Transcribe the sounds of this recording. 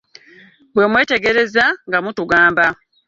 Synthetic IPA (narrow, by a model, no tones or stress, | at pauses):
bwe̞mwe̞ːte̞ɡe̞ɾe̞zaŋɡamutuɡaːmba